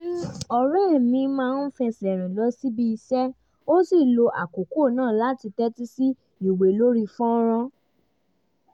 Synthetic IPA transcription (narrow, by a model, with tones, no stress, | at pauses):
ɔ˨ɾɛ˦˨mĩ˧˦mãː˦˧n̩˦fɛ˧sɛ˨ɾ̃ɛ̃˨lɔ˨˦si˦bi˦i˧sɛ˦ | o˦si˦˨lo˧ʔa̰˨ko˨ko˦˨nãː˦˨la˨˦ti˧tɛ˦ti˦si˦ | i˨we˨lo˦ɾi˧fɔ̃˦ɾ̃ɔ̃˧